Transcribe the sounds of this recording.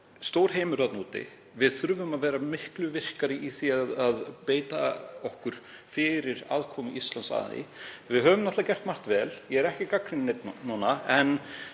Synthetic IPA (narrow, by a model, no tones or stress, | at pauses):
st̪oːwɾ̥heːjmʏɾat̪nuːt̪ɪ̰ | vɪðθɾʏːvʏmaðvɛːɾamɪhklʏvɪr̥kaɾɪʔiθiaðaðpeːjt̪aɔhkʏɾ̥ | fɪɾɪɾa̰ːðkʰɔːmʏʔist̪lansa̰ːðɪ̰vɪðɦœːvʏmnɛt̪ðacɛr̥t̪mar̥t̪vɛːljɛɛɾɛhcɪkakɾɪnnet̪nnuːnːaɛn